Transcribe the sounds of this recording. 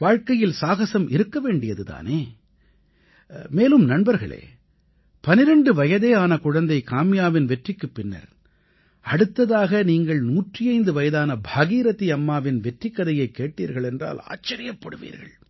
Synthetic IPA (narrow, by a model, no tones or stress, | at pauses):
ʋaːɻkɐjɪlsaːɣɐsɐmʔɪɾɯkːɐʋeːɳɖɪjɐðɯða̰ːneː | meːlɯmnɐɳbɐɾɣɐ̰ɭḛː | pɐnɪɾɐɳɖɯʋɐjɐðeːaːnɐkʊɻɐnd̪ɐɪkaːmɪjaːʋɪnʋɛʈrɪkːɯpːɪnːɐ̰ɾ | ɐɽɯt̪ːɐðaːɣɐniːŋɡɐɭnuːʈrɪjɐɪnd̪ɯʋɐjɐðaːnɐbʱaːɣiːɾɐt̪ːiɐmːaːʋɪnʋɛʈrɪkːɐðɐjɐɪkːeːʈːiːɾɣɐɭɛndra̰ːla̰ːt͡ʃːɐɾɪjɐpːɐɽɯ̰ʋḭːɾɣɐ̰ɭ